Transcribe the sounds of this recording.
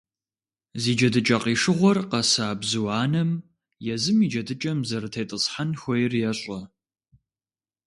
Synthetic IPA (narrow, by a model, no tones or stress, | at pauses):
ziːd͡ʒɐdɨt͡ʃʼɐqiːʂɨʁʷɔrqɐsaːbzɨwɑːnɐm | jɛzɨmid͡ʒɐdɨt͡ʃʼɐmzɐɾɨtʰejtʼɨsħanxʷɔjɪrjɛɕʼɐ